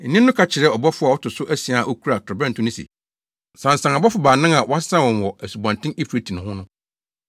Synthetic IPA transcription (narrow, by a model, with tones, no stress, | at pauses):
n̩˨nɪ̃˦nːʊ̃˦kʰa˨t͡ɕʰɪ˨ɾɛ˦ɔ˨bɔ˦fʊ˦a˨ɔ˦tʊ˨sʊ˦ʔæ˦si˨a˨ʔɔ˦kʰu˦ɾa˨kʰɪ˨bɛ̃˦ntʰʊ̃˦nʊ̃˦sḭ˨ | sã˨n̩˨sã˨ŋ˨ɔ˨bɔ˦fʊ˨baː˨nã˦ŋã˨wa˦ssã˦wɔ̃˨n˨wɔ˨æ˨su˨bã˨n˨tɪ̃˦ni˦pɾe˨tʰi˨nʊ̃˨hʊ̃˦nʊ̃˦